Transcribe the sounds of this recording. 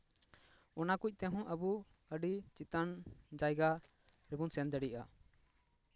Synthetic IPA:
ɔnakuc̚ˀt̪ɛɦɔ̃ʔəbu | əɖit͡ʃit̪and͡ʒajɡa | ɾɛbunsɛnd̪əɖiʔa

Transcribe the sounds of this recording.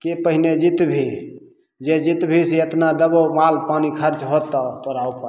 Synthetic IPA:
kepəɦined͡ʒit̪bʱi | d͡ʒed͡ʒit̪bʱiseət̪nad̪əbomalpanikʰəɾt͡ʃɦot̪ːəpəɾaupa

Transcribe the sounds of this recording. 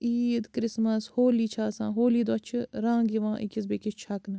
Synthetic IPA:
iːd̪kɾɪsmɐshoːliːt͡ʃʰaːsã̰ːɦoːliːd̪ɐt͡ʃʰɨɾãːŋɡiʋãːʔikʲis̬bekit͡ʃʰɐknɨ

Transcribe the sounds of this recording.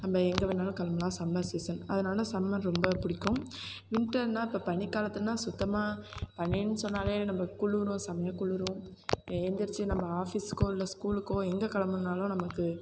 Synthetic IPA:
nɐmbɐɛŋɡɐʋɪnːaːlʊ̃kɐlɐmɐlãːsɐmbaseːsɐnɐðɯnaːlɐsɐmːɐ̃nɾɔmbɐpʊɽɪkːʊ̃ | ʋɪnʈːɐnːaːɪpːɐːpɐɳɪkːaːlɐt̪ːɯnãːsʊt̪ːɐmaːpɐɳːinːɯsɔnːaːleːnɐmbɐkʊɭɯɾʊ̃sɐmɐjaːkʊɭɯɾʊ̃eːnd̪ɪɾt͡ʃːɯnɐmbɐaːfisɯ̥kːõːɪlːɐskuːlɯkːõːɛŋɡɐkɐlɐmɐnaːlʊ̃nɐmɐkːɯ

